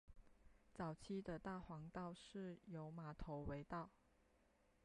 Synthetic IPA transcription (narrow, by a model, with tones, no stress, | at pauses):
t͡sɑ˨˩ʊt͡ɕʰi˥d̪ə˨t̪a˥˩xwɑ˧˥ŋt̪ɑ˥˧ʊʂɻ̩˥˩jo˧˥ʊma˨˩˦t̪ʰo˧˥ʊwe˧˥˦ɪt̪ɑ˥˩ʊ